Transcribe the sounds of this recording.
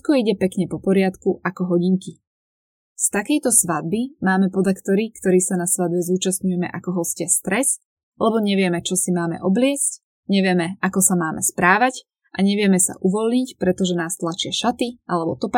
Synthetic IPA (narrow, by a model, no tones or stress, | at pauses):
ɛt̪̚kɔiɟɛpɛkɲɛpɔpɔɾɪat̪kuʔakɔɦɔɟiŋki | st̪akɛjt̪ɔsʋad̪̚bimaːmɛpɔd̪akt̪ɔɾikt̪ɔɾiːsanasʋad̪̚bɛzuːt͡ʃast̪ɲujɛmɛ̰ʔakɔɦɔlscɪɛst̪ɾɛs | lɛbɔɲɛʋɪɛmɛt͡ʃɔsimaːmɛ̰ʔɔblɪɛsc | ɲɛʋɪɛmɛakɔsamaːmʔɛspɾaːʋac | ʔaɲɛʋɪɛmɛsa̰ʔuʋɔlɲicpɾɛt̪ɔʒɛnaːst̪lat͡ʃɪaʃat̪iʔalɛbɔt̪ɔpa